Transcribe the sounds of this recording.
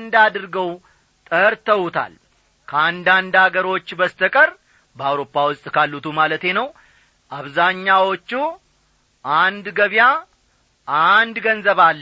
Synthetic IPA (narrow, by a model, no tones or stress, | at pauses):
nd̪ad̪ɨɾɡəw | t̪ʼəɾt̪ʰəwut̪ʰa̰l | kʰəand̪and̪aɡəɾo̞t͡ʃːbəst̪ʰəkʼəɾ | bəawɾo̞pʰːawʊst̪ʼkʰalːut̪ʰumalət̪e̞nəw | ʔaβzaɲːawo̞t͡ʃːu | ʔand̪ɡəβja | ʔand̪ɡənzəβalː